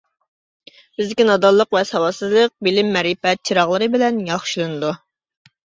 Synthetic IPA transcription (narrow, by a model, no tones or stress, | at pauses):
b̥ɪzd̪ɪkʲinɑd̪ɑlˠːəqʋɛsɑwɑsɨzlˠəq̚bɪlɪmːɛɾipɛt̪̚t͡ʃʰiɾɑʁlˠɨɾɨbɪlɛnjɑχʃilˠɨnɨd̪u